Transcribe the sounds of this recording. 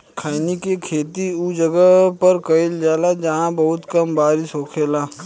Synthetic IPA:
kʰaːnikekʰeːt̪iud͡ʒɐɡəpɐɾkɐɪld͡ʒaːlad͡ʒɐɦãbɐɦʊt̪kɐmbaːɾɪʃɦoːkʰeːlaː

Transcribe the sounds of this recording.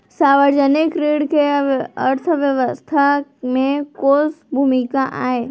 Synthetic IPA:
saːʋəɾd͡ʒənɪkɾeːɽkeə̰ɾt̪ʰʋjəʋəst̪ʰamẽkoːsbʱuːmɪkaʔa̰ːeː

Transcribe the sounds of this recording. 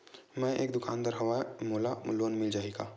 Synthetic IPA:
mɛ̃ʔḛːk̚d̪ʊkaːnd̪əɾɦɐʋamoːlaloːnmɪld͡ʒaːeːɡaː

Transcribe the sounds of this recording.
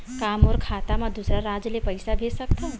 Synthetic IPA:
kaːmɔːɾkʰaːt̪amãd̪usɾaɾaːd͡ʒlepəɪsabʱesəkt̪ʰa

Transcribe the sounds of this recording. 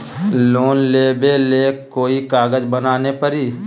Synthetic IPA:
loːnleːbeleːkoːikaːɡəd͡ʒbənaːnepəɾiː

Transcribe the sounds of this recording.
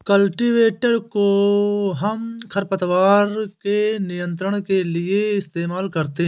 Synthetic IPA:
kəlʈiʋeːʈəɾkoɦɐmkʰɐɾpət̪ʋaːɾkenɪjə̃nt̪̬ɾəɽ̃kelɪeɪst̪eːmaːlkɐɾt̪eɦ

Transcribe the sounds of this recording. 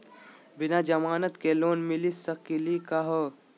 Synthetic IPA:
bɪnad͡ʒɐmaːnət̪keloːnmɪlisəkilikaɦo

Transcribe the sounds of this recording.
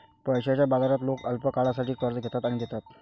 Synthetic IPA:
pəjɕjat͡ɕjabad͡zaɾat̪lokəlpəkaɭasaʈʰiːkəɾd͡zɡʱet̪at̪aɽ̃iɡ̪et̪at̪

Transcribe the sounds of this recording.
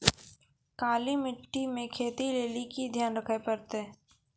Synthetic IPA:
kaːlimɪʈːimẽkʰeːt̪ileːlikid̪ʱjaːnɾəkʰəpəɾt̪ɛː

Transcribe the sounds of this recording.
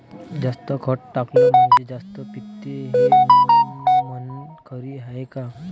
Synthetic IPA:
d͡ʑast̪əkʰəʈʈaklom̤əɳd͡ʑed͡zast̪əpit̪ːeɦe | nʋənkʰəɾiɦaeka

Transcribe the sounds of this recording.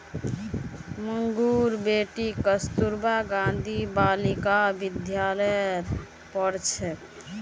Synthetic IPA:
məŋɡuɾbeʈikəst̪uɾbaɡãnd̪ʱibalikabid̪ʱjaləjɾ | pəɾt͡ʃʰɛ

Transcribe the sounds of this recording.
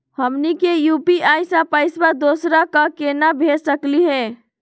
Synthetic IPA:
həmnikejupiajsãpəɪsbad̪osɾakəkenabʱessəkliɦe

